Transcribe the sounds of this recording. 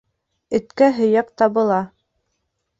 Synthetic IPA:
ɵ̆t̪kæɦɵ̆jɑq̚t̪ɑβɤ̆lˠɑ

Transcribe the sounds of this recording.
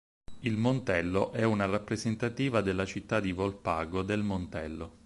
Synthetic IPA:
ilmont̪ɛlːoʔɛunarapːɾezent̪at̪iːvad̪elːat͡ʃit̪ːad̪ivolpaːɡod̪elmont̪ɛlːo

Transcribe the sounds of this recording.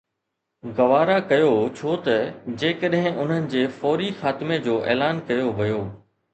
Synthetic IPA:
ɣɐʋaːɾakɐjot͡ɕʰoːt̪ɐd͡ʑeːkəɗɦɪ̃ʔʊn̤ənɪ̆d͡ʑeːfɔːɾixaːt̪ɪmed͡ʑoːʔɛ̰ːlaːnkɐjoʋɐjoː

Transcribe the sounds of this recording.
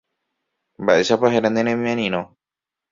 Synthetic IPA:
mbaʔeʃapaɦeɾand̪ẽɾẽmĩẽnĩɾ̃õ

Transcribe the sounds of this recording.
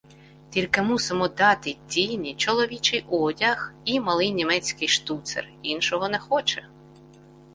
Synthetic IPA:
tʲilʲkɪmusemɔd̪ɑt̪ɪtʲijnʲit͡ʃɔlˠɔʋʲit͡ʃɪjʔɔdʲɐximɐlˠɪjnʲimɛt͡sʲkɪjʃt̪ut̪sḛrinʃɔɦɔnɛxɔt͡ʃɛ

